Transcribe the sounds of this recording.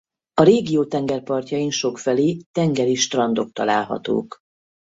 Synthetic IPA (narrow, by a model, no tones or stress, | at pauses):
ɒɾeːɡijoːt̪ɛŋɡɛrpɒrcɒinʃo̞kfɛleːt̪ɛŋɡɛɾiʃt̪rɒnd̪o̞k̚t̪ɒ̰laːlɦɒ̰t̪o̰ːk